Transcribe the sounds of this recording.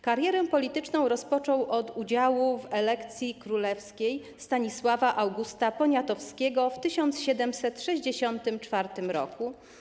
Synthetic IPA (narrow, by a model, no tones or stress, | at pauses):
kaɾjɛɾɛpɔlʲit̪ɘt͡ʂnɔ̃w̃ɾɔspɔt͡ʂɔwʔɔd̪ud͡ʑawuvɛlɛkt̪sʲjikɾulɛfskʲej | st̪aɲiswavaʔawɡust̪apɔɲat̪ɔfskʲeɡɔft̪ɘɕɔnt̪sɕɛd̪ɛmsɛt̪ʂɛʑd͡ʑeɕɔnt̪ɘmt͡ʂfaɾt̪ɘmɾɔ̰ku